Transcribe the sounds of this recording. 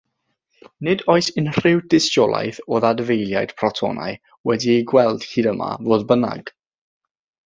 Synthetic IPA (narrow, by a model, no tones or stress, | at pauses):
nɪdɔɨsɪnr̥ɪwdɪstɔlˠa̰jθoːðadəvejlˠjajd̥pʰrɔtʰɔ̰na̰j | wɛdiejɡwɛlˠd̥hiːdəma̰voːdbəna̰ɡ̥